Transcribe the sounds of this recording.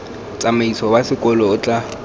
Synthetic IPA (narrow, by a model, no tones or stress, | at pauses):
t͡sʼamaisɔbasɪkʼɔlɔːt͡ɬʼa